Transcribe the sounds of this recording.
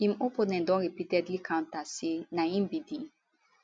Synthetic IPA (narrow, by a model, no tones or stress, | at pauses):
ĩmopɔnɛ̃ndɔ̃nɾipitɛdlikãw̃ntasenaĩmbidi